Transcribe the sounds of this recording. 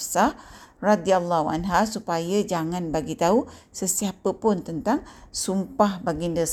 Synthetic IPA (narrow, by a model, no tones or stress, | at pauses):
sahrad̪ialːaɦua̰nɦasupajad͡ʒaŋãnbaɡit̪ausəsiapəpʊnt̪ənt̪aŋsumpahbaɡində